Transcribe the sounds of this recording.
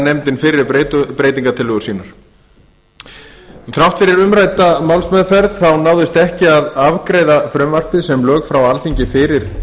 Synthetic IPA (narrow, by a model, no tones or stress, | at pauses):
nɛmt̪ɪnfɪɾɪɾet̪pɾeːjt̪iŋkat̪ʰɪlʏːɣʏɾsiːnaɾ̥ | θɾawht̪fɪɾɪɾʏmɾajt̪amawlsmɛðfɛɾðθawnaːwðɪst̪ɛhcɪaðavkɾejðafɾʏmvar̥p̪ɪðsɛmlœːɣfɾawalθiɲcɪfɪːɾɪɾ̥